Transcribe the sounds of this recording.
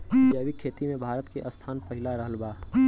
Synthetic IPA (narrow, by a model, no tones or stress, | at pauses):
id͡ʒaːbikʰːeːt̪imẽbʱaːɾət̪keʔəst̪ʰaːnpəɦɪlaɾəɦəlbaː